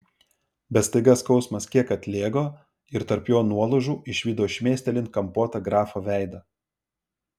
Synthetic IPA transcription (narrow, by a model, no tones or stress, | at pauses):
bʲɛt̪st̪ɐɪɡɐskɒʊsmɐskʲiɛkɐt̪ʲlʲeːɡoː | ɪɾt̪ɐɾpjoːnuɔlˠʊʒuːʔɪʃʲʋʲiːd̪oːʃʲmʲeːsʲt̪ʲɛlʲɪnkɐmpoːt̪ɐɡɾɑːfoːʋʲæˑɪd̪ɐ